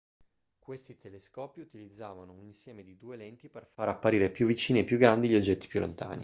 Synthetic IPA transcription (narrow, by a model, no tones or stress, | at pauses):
kwest̪it̪ʰeleskɔːpiut̪ilid̪zːaːvanouninsjɛːmed̪id̪uːelɛnt̪iperfaɾapːaɾiːɾepjuvːit͡ʃiːniepːjuɡɾand̪iʎiod͡ʒːɛt̪ːi̥pjulːo̰nt̪a̰ːni